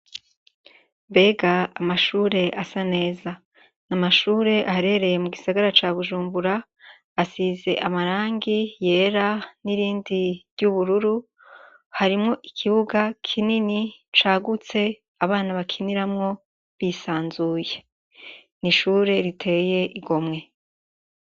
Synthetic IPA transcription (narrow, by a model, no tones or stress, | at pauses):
mbe̞ːɡaːmaʃuːɾe̞ʔasane̞ːza | namaʃuːɾe̞ʔahɾe̞ɾe̞jemuɡisaɡaɾat͡ʃaːβuʒuːmbuɾaː | size̞̰ʔamaɾaːŋɡije̞ːɾaniɾiːndiɾjuβuɾuɾu | haɾimŋo̞ʔikʰiβuɡakʰininit͡ʃaːɡut͡se̞ | aβaːnaβakʰiniɾamŋo̞ | βisaːnzuːje̞ | niʃuːɾe̞ɾitʰe̞je̞ʔiɡo̞mŋe̞